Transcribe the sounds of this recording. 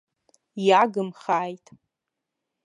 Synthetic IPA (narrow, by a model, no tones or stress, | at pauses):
jaɡɨmχaːjtʼ